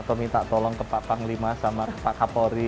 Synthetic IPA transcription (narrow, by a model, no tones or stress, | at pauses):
t̪omit̪aʔt̪ɔlɔŋk̪əpaʔpaŋlimasamaɾapaʔkapɔɾi